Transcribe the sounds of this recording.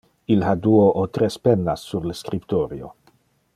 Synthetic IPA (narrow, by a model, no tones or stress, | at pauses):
ilhad̪uoʔot̪ɾespenːasːuɾləskɾipt̪oɾio̰